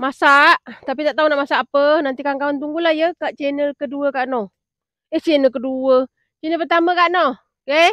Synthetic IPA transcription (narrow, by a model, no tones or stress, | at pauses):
masaʔt̪ap̬it̪aʔt̪aɦunaʔmasaʔːpənant̪ikaŋkawant̪̬uŋɡulahjəkaʔt͡ʃɛnəlkəduəkaʔnɔh | eht͡ʃɛnəkəduə | t͡ʃinəp̬ərt̪aməkaʔnɔh | ke